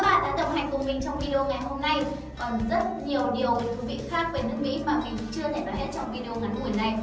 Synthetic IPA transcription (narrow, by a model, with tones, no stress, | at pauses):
ɓaː˨˧t̪a̰ː˧˥ɗə˧˩wŋ͡mha˨˩ŋ̟kʊ˨˩ŋ͡mmï˨˩ŋ̟t͡ɕɔ˧wŋ͡mvi˧ɗi˧o˧ŋa˨˩jɦo˧mna˧j | kɔ˨˩nzə˦˥t̚ɲi˨˩əwɗi˨˩əwve˨˩t̪ʰu˧˨˩vḭ˧˨xaː˦˥k̚vəː˧˩jnɨ˦˥ək̚mḭ˧˥maː˨˩mï˨˩ŋ̟t͡ɕɨ˧ət̪ʰe˧˩vaː˨˩he˦˥t̚t͡ɕɔ˧wŋ͡mvi˧ɗi˧o˧ŋa˨˦nʔu˧˩ə˨jna˧˩j